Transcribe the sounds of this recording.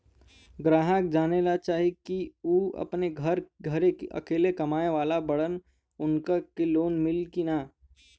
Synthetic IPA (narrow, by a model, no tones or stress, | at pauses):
ɡɾaːɦək̚d͡ʒaːnelat͡ʃaːɦikiuːɐ̰pneɡʱɐɾɡʱɐɾeɐ̰keːlekɐmaːeʋaːlabɐɽən | ʊnkakeloːnmɪlkinaː